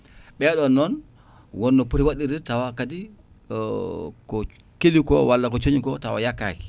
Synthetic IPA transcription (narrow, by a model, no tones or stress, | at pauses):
ɓɛːɗɔnːɔn | wonːopuɾiwadiɾitawakadi | ko | kelikɔ̰walːakot͡ʃoɲikɔtawa̰jakːa̰ki̥